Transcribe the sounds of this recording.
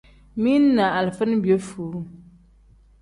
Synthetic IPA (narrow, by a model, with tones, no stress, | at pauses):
mi˦n˦na˨ʔa˨lfɨ˦n˦bjo˦fuː˨˦